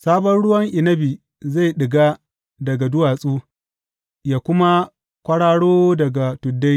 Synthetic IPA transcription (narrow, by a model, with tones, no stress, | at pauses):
saː˦bɔ˦nɽʊ˦wɐ˦ŋʔɪ˨nɐ˦bi˨ | za˦˨jɗɪ˨ɡaː˦ | dɐ˨ɡa˨dʊ˦waː˨sʼuː˦ | jaː˨kʷʊ˦ma˦ | kʷɐ˦ɽaː˦ɽoː˦dɐ˨ɡa˨tʊ˨dːa˦j